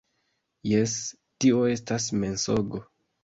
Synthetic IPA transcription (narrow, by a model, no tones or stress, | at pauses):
jes | tio̞e̞stasme̞nsoɡo